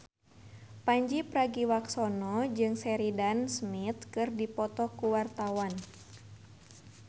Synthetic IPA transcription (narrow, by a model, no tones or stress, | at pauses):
paɲd͡ʒipɾaɡiwaksɔnɔd͡ʒɨŋsɛɾidansmit̪kɨrdipɔt̪ɔkuwart̪awan